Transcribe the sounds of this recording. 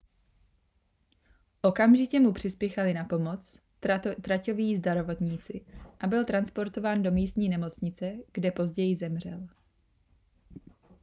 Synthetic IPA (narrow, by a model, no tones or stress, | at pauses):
ʔo̞kamʒɪcɛmupr̝̥ɪspjɛxalɪnapo̞mo̞t͡s | t̪ɾaco̞viːzdaɾovo̞t̪ɲiːt͡sɪʔabɪlt̪ɾanspo̞ɾt̪o̞vaːndo̞miːst̪ɲiːnɛmo̞t͡sɲɪt͡sɛɡ̥dɛpo̞zɟɛjɪzɛmr̝ɛl